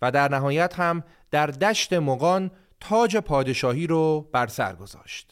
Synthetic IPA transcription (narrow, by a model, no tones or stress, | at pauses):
væd̪æɾnæɦɒːjæt̪hæm | d̪̥æɾd̪æʃt̪e̞moɣɒːn | t̪ʰɒːd͡ʒe̞pʰɒːd̪e̞ʃɒːɦiːɾɔːb̥æɾsæ̰ɾɡo̞zɒ̰ːʃt̪